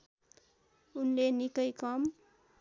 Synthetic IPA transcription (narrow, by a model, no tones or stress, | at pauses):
unlenikʌjkʌm